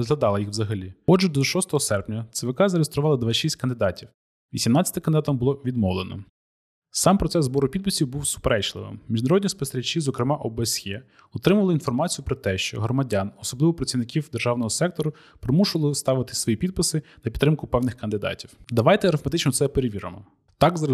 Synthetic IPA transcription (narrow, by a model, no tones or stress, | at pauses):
ɔzɦlʲˠɐd̪ɑlˠɐjixwʋzɐɦɐlʲiɔd͡ʒɛd̪ɔʃɔst̪ɔɦɔsɛrpnʲɐt̪seʋɪkɑzɐɾejest̪ɾʊʋɑlˠɐd̪ʋɑʃisʲtʲkɐnd̪ɪd̪ɑtʲiw | ʋʲisʲimnɑt͡sʲːɐ̥t̪ɪkɐnd̪d̪ɑt̪ɐmbʊlˠɔʋʲid̪mɔʋlˠenɔ̰ | sɑmpɾɔt̪ɛzbɔɾʊpʲid̪̚pɪsʲiwbuwsʊ̥peɾɛt͡ʃlˠɪ̰ʋɪ̰mːʲiʒnɐɾɔdʲnʲispɔst̪eɾʲɐt͡ʃːizɔkɾɪmɑʔɔbesjɛ | ɔt̪ɾɪmʊʋɐlˠɪin̪fɔrmɑt͡sʲijʊpɾɔt̪ɛʃt͡ʃɔ̰ɦɾɔmɐdʲanɔsɔblˠɪʋɔpɾɐt͡sʲiwnɪkʲiwd̪erʒɑwnɔɦɔsɛk̚t̪ɔɾʊ | pɾɪmuʃʊʋɐlˠɪst̪ɑʋɪt̪ɪ̥sʋɔjipʲid̪̚pɪsɪnɐpʲit̪ːɾɪmkʊpɛwnɪxkɐnd̪ɪd̪ɑ̰tʲiwd̪ɐʋɑjt̪ɛɾɐfmɐt̪ɪt͡ʃnɔt̪sɛpeɾeʋʲiɾɐ̰mɔ | t̪ɑɡz